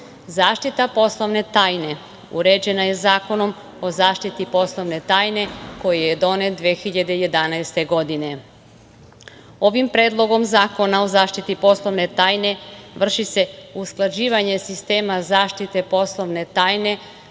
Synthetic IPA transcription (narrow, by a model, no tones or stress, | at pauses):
zaːʃt̪it̪apo̞slˠo̞ʋne̞t̪aːjne | ṵɾe̞d͡ʑe̞naje̞zaːko̞no̞m | o̞zaːʃt̪it̪ipo̞slˠo̞ʋne̞t̪aːjne̞ko̞jijed̪o̞ne̞t̪d̪ʋeːxiʎad̪e̞je̞d̪anajst̪e̞ɡo̞d̪ine̞ | o̞ʋimpɾe̞ːd̪lˠo̞ɡo̞mzaːko̞nao̞zaːʃt̪it̪ipo̞slˠo̞ʋne̞t̪aːjne̞ʋr̩ʃise̞usklˠad͡ʑiːʋaɲe̞sist̪e̞ːmazaːʃt̪it̪e̞po̞slˠo̞ʋne̞t̪aːjne̞